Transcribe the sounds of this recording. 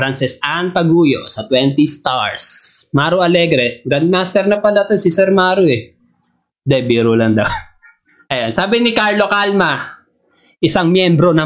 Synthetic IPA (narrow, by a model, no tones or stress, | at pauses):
fɾansɛsʔanpɐɡuːjo̰sɐt̪wɛnt̪ɪst̪aɹsmaːɾʊɐlɛɡɾɛɡɾand̪̚maːst̪ɛɾnɐpɐlɐt̪osɪsɛɾmaːɾʊɛ | d̪ɛbiːɾʊlɐŋd̪ɐw | ʔɐjonsaːbɪnɪkaɹlokalmɐ | ʔɪsaŋmjɛmbɾo̞nɐ